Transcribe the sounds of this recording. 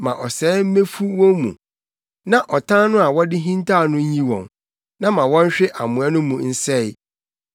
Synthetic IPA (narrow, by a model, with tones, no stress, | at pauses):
mã̰˨ʔɔ˨sɛː˨˦m̩˦mẽ˦fu˦wɔ̃˦mṵ̃˨ | nã˦ʔɔ˨tʰã˦nʊ̃˦a˨wɔ˦dɪ˦ɦĩ˦ntʰa˦˨nʊ̃˦ɲ˦ĩ˦wɔ̰̃˨n | nã˦mã˨wɔ̃˦n˦ɕᶣɪ˦ʔa˨mʊ̃˨ɛ˦nʊ̃˦mũ˨n̩˦sɛ˦˨ɪ˦